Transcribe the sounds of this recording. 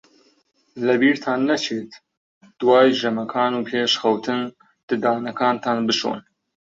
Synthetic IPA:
lɐbiːɾt̪ʰaːnːɐt͡ʃʰeːt̪ | d̪̥waːjʒɐmɐkʰaːnuːpʰeːʃxɐwt̪ʰɨn | d̪̥ɨd̪aːnɐkʰaːnt̪ʰaːnbɨʃo̰ːn

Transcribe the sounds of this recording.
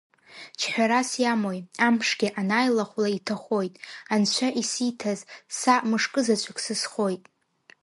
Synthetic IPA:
t͡ʃʰħᶣaɾasjamo̞jampʰʂɡʲiʔanajlaχʷlaitʰaχʷo̞jtʼant͡ʃʷʰaʔisitʰazsamɨʂkʼɨzat͡ʃʷʼaksɨsχo̞jtʼ

